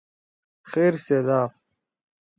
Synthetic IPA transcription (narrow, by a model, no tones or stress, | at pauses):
xeːɾseːlaːb̚